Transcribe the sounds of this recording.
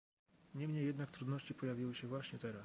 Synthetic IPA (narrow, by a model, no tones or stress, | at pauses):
ɲɛmɲejːɛd̪nakt̪ɾud̪nɔɕt͡ɕipɔjavʲiwɘɕɛvwaɕɲɛt̪ɛɾas